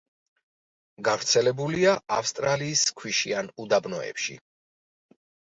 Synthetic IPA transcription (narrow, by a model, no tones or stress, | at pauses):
ɡavɾt̪sʰɛlɛbuliaafst̪ʼɾaliːskʰwiʃianud̪abnɔɛ̰pʃḭ